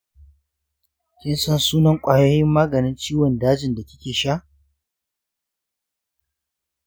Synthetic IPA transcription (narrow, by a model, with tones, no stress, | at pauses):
kʲɪ˦nsɐ˦nsuː˦nɐ˦ŋkʷʼaː˨joː˦jɪ˦mːaː˦ɡɐ˨nɪ˦nt͡ʃiː˦wɔ˨ndaː˦d͡ʒɪ˨nda˨kʲɪ˦kʲeː˨ʃaː˦ʔ